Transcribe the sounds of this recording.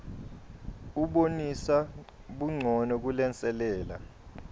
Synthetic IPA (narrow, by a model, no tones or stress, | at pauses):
uɓonisa | ɓuŋ͡ǀʱɔnɔk̬ulɛnt͡sʼɛlɛːla̰